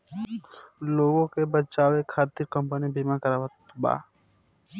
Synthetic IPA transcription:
loːɡõkebət͡ʃaːwekʰaːt̪iɾkə̃mpənibimakəɾaːʋət̪ba̰ː

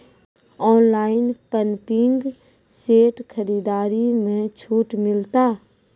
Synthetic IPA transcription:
ɔːnlaːɪnpənpɪŋɡ | seːʈkʰəɾiːd̪aːɾimẽt͡ʃʰuːʈmɪlt̪aː

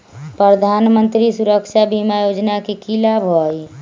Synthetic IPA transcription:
pɾəd̪ʱanmənt̪ɾisuɾəkʃabimajod͡ʒnakekilabʱɔj

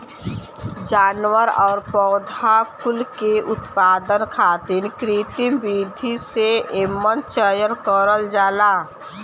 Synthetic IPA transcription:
d͡ʒaːnwəɾɔːɾpɔʊd̪ʱakʊlkeʔʊt̪paːd̪ənkʰaːt̪inkɾit̪ibid̪ʱiseeːmːənt͡ʃəjəɾkəɾəld͡ʒaːla

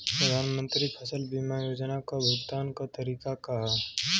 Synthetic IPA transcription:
pɾəd̪ʱaːnmə̃nt̪ɾipʰəsəlbimajoːd͡ʒnakobʱʊɡt̪aːnkat̪ɐɾiːkakɐɦa

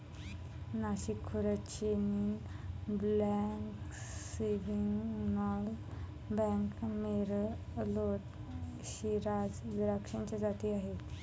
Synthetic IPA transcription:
naɕikʰːuɾət͡ɕenin | blɛŋkseʋiŋɡnɔl | bɛ̃ŋkmeɾloʈ | ɕiɾad͡zd̪ɾəkʂənt͡ɕad͡zat̪iaɦe

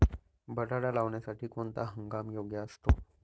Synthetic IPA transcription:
bəʈaɽalaʋɳjasaʈʰiːkoɳt̪aɦəŋɡamjoɡjəəst̪o

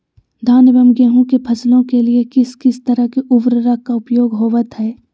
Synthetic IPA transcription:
d̪ʱaːnbəmɡeːɦũkepʰɐslõkeliekɪskɪst̪ɐɾəkeʔʊbɾəɾakːaʊpjoːɡɦoːʋət̪ɦɛː

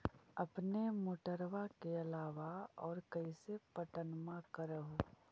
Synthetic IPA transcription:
əpnemoːʈəɾʋakeɐlaːʋaɔːɾkəɪsepəʈənmãkəɾəɦoː

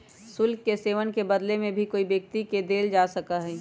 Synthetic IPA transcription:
sʊlkːeseːʋənkebəd̪lemẽbʱikoːibjək̚t̪iked̪eːld͡ʒaːsɐkaɦɛː

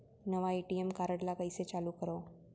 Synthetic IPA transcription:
nəʋaeʈiemkaɾəɽlakəjset͡saluːkəɾo

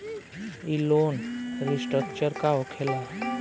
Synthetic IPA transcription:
iloːnɾisʈək̚t͡ʃəɾkaokʰeːla

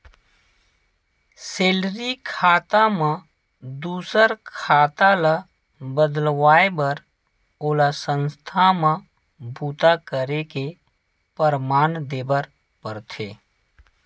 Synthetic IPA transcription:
seːlɾikʰaːt̪amã | d̪uːsəɾkʰaːt̪alə | bəd̪lwaːebəɾ | oːlasə̃nst̪ʰamã | bʱuːt̪akəɾeke | pəɾmaːnd̪eːbəɾ | pəɾt̪ʰeː

